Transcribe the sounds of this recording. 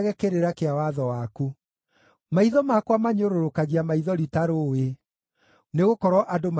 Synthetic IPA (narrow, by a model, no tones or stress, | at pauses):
ɣɛkeɾeɾakeawaðɔwaku | maiðɔmakwamaɲoɾoɾokaɣiamaiðɔɾitaɾowe | neɣokɔɾwɔʔadom